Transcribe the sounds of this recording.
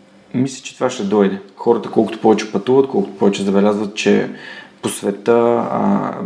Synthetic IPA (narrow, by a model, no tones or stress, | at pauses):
mislʲɛ̥t͡ʃɛ̥t̪ovaʃt̪ɛd̪ɔjd̪ɛxɔɾət̪əkɔlˠkʊt̪o̥pɔvɛt͡ʃɛ̥pɐt̪uvət̪̚kɔlˠkʊ̥t̪o̥pɔvɛt͡ʃɛzɐbɛlʲazvət̪̚t͡ʃɛ̰posvɛt̪ə̰